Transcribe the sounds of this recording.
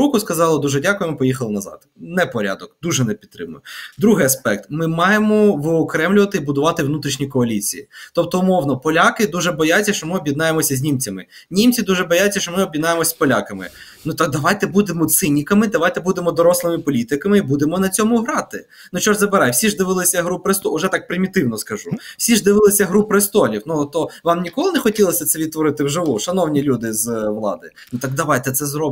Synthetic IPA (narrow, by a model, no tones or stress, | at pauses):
ukʊskɐzɑlˠɐd̪uʒɛdʲakʊjɛmɪpɔjixɐlˠɪnɐzɑ̰d̪nɛpɔɾʲa̰d̪ɔkd̪uʒɛnɛpʲidt̪t̪ːɾɪ̰mʊjʊd̪ɾuɦɪjɐspɛk̚t̪mɪmɑjemɔʋɔːkɾɛmlʲʊʋɐt̪ɪibʊd̪ʊʋɑt̪ɪʋnut̪ɾʲiʃnʲikɔɐlʲit͡sʲḭjit̪ɔp̚t̪ɔʊmɔwnɔpɔlʲakɪd̪uʒɛbɔjat͡sʲːɐʃt͡ʃɔmɪɔbʲjɪd̪nɑjemɔsʲɐzʲnʲimt͡sʲɐmɪnʲimt͡sʲid̪uʒɛbɔjat͡sʲɐʃt͡ʃɔmɪɔbʲjɪd̪nɑjemɔsʲpɔlʲakɐmɪ̰ | nut̪akd̪ɐʋɑjt̪ɛbud̪emɔt̪sɪnʲikɐmɪd̪ɐʋajt̪ɛbud̪emɔd̪ɔɾɔslˠɪmɪpɔlʲit̪ɪkɐmɪibud̪emɔnɐt͡sʲɔmʊɦɾɑt̪ɪ | nut͡ʃɔʒzɐbɪɾɑjwsʲiʒd̪ɪʋɪlˠɪsʲɐɦɾupɾɪst̪ɔʊʒɛt̪ɑk̚pɾɪmʲit̪ɪwnɔskɐʒuwsʲiʒd̪ɪʋɪlˠɪsʲɐɦɾupɾɪst̪ɔlʲiwnut̪ɔʋɑmnʲikɔlˠɪnɛxɔtʲilˠɐsʲɐt̪sɛʋʲid̪t̪ʋɔɾɪt̪ɪwʒɪʋuʃɐnɔwnʲilʲud̪ɪzʋlˠɑ̰d̪ɪ̰ | nut̪ɑkd̪ɐʋɑjt̪ɛt̪sɛzɾɔb